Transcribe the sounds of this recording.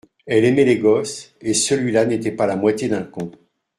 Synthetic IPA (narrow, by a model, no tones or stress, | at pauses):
ɛlemɛleɡɔsesəlɥilanet̪ɛpalamwat̪ʲjed̪ɛ̃kɔ̃